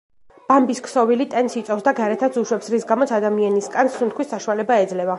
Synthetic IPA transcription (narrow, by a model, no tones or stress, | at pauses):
b̥ambiskʰsɔvilit̪ʼɛnsit̪sʼɔfsd̪aɡaɾɛt̪ʰat̪sʰuʃwɛpsɾisɡamɔt̪sʰad̪amianiskʼansːunt̪̚kʰwisːaʃualɛbaɛd̪zlɛva